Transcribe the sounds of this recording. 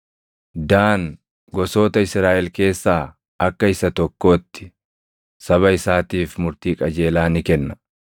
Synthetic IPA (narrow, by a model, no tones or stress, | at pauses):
d̪aːn | ɡɔso̞ːt̪ɐɪsɾaːʔɛlke̞ːsːaː | ʔɐkːɐɪsɐt̪ɔkːo̞ːt̪ːɪ̥ | sɐβɐɪsaːt̪iːfmʊɾt̪iːkʼɐd͡ʒe̞ːlaːnɪkɛnːɐ̥